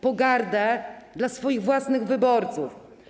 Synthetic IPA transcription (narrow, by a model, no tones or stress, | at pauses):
pɔɡaɾd̪ɛd̪lasfɔjiɣvwasnɘɣvɘbɔɾt̪suf